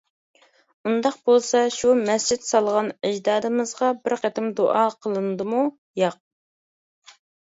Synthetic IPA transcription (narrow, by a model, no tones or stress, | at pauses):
und̪ɑq̚bolˠsɑʃumɛst͡ʃid̪sɑlˠʁɑnɪd͡ʒd̪ɑːd̪ɨmɨzʁɑbɪɾqæt̪ɪmd̪oʔɑqʰəlˠɨnɨd̪ɨmu | jɑq̚